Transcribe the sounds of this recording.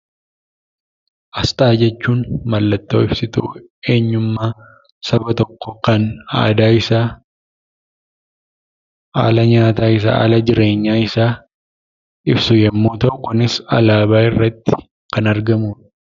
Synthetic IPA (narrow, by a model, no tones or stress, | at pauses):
ʔɐst̪ʼaːd͡ʒɛt͡ʃːuːnmɐlːɐt̪ːo̞̰ːɪbsɪt̪ṵ | e̞ːɲːʊmːaː | sɐbɐt̪ɔkːɔkɐna̰ːd̪aːɪsaː | a̰ːlɐɲaːt̪aːɪs̬a̰ːa̰ːlɐd͡ʒɪɾe̞ːɲːaːɪsaː | ɪbsʊjɛmːuːt̪ɐʔʊkʊnɪsɐ̰laːbaːɪrːɐt̪ːɪ̥ | kɐnɐɾɡɐmuːᶑɐ